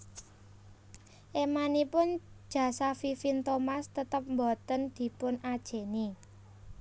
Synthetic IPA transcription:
ʔemanipʊn̥ʒ̥ä̤safifint̪omast̪ət̪əp̚mbɔt̪ənd̪̥i̤pʊnad̥ʒ̥e̤ni

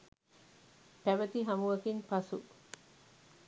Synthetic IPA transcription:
t̪æʋɐt̪iɦɐmuʋɐkiŋpɐsu

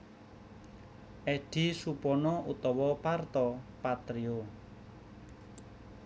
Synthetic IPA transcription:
ʔɛɖ̥i̤supɔnɔut̪ɔwɔpart̪ɔpat̪ɾio

